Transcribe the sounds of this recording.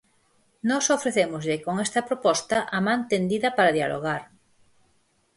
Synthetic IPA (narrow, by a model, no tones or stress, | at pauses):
nɔsofɾeθemozʎekoŋest̪ɐpɾopɔst̪aʔamãnt̪end̪iðɐpaɾaðjalʔo̰ɣ̞aɾ